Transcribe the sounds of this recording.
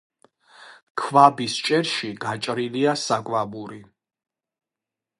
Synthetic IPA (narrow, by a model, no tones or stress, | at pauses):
kʰvabist͡ʃʼɛɾʃiɡat͡ʃʼɾiliasakʼvabuɾi